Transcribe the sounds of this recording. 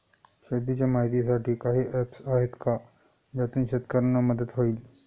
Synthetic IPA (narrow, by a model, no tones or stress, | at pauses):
ɕed̪it͡ɕjamaɦit̪̬is̬aʈʰiːkaɦiːʔɛpsaɦet̪ka | d͡ʑat̪uːnɕet̪kəɾənaməd̪ət̪ɦoiːl